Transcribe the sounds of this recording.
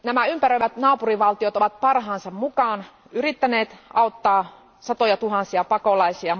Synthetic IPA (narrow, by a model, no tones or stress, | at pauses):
næmæympærøiʋæt̪nɑːpuriʋɑlt̪iot̪oʋɑt̪̚pɑrɦɑːnsɑmmukɑːn | yrit̪ːæneːt̪ɑˑot̪ːɑː | sɑt̪ojɑt̪uɦɑnsiɑpɑkolɑisiɑ